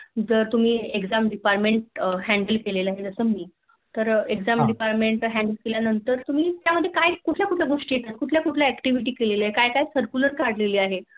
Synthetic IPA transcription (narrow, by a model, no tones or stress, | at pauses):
d͡zəɾt̪um̤iːekd͡zamɖipaɾmẽɳʈ̚ɦæ̃ɳɖəlkelelaɦed͡zəsəːmiː | t̪əɾeɡd͡zamɖipaɾmeɳʈɦæ̃ɳɖəlkeljanənt̪əɾt̪um̤iːt̪jaməd̪ʱːjekajkuʈʰljakuʈʰlaɡoʂʈeʈaɦkuʈʰljakuʈʰlaækʈiʋiʈ̬iːkelelaɦkajkajsəɾkuləɾkaɾɖleliːaɦe